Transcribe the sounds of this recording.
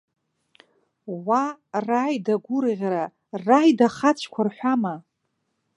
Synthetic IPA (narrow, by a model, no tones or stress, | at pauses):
warajdaɡʷʊrʁʲɾa | rajdaχat͡ɕʷʰkʷʰarħʷᶣama